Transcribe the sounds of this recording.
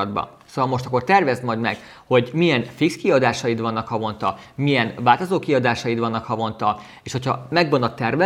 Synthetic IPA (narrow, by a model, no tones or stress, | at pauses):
d̪̚bɒ̰ | sovɒlmo̞ʃt̪ɒkːo̞rt̪ɛrvɛzt̪mɒjd̪mɛ̰ɡ̥ | ho̞ɟmijɛnfikskiɒd̪aːʃɒjit̪vɒnːɒkhɒvo̞nt̪ɒ | mijɛnvaːlt̪ozoːkiɒd̪aːʃɒjit̪vɒnːɒkhɒvo̞nt̪ɒ | eːʃho̞cʰɒ̰mɛɡbonːɒt̪ːɛrvɛ